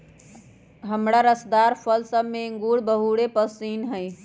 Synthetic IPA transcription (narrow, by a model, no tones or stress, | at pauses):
ɦəmɾaɾəsd̪aɾpʰəlsəbmeŋɡuɽbəɦuɽepəsiːnɦəj